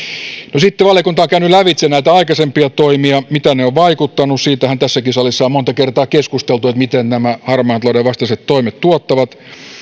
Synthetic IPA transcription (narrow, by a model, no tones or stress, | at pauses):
nosit̪ːeʋɑljɑkunt̪ɑoŋkæynylæʋit̪senæit̪æɑikɑsempiɑt̪oimiɑmit̪æneoʋʋɑikut̪ːɑnussiːt̪æhænt̪æsːækisɑlisːɑːmont̪ɑkert̪ɑːkeskust̪elt̪uet̪mit̪ennæmæhɑrmɑːnt̪lɑˑuɾeʋɑst̪ɑset̪t̪oimet̪t̪uot̪ːɑʋɑt̪